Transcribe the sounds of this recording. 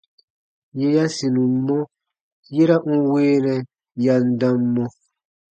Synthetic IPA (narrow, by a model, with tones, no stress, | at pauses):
je˦ja˦si˨nũ˨˦mɔ˦ | je˦ɾa˦ŋ̩˦weː˦nɛ̃˨ | ja˨n˦dã˦mːɔ̃˦